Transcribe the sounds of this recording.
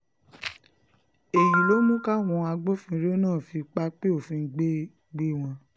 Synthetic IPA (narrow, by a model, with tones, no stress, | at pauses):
e˨ji˨lo˦mũ˦ka˦˨w̃ɔ̃˧a˧ɡ͡bo˦fĩ˧ɾe˦o˦nãː˦˨fi˧k͡pa˦k͡pe˦o˦˨fĩ˧˨ɡ͡be˦ | ɡ͡be˦w̃ɔ̃˧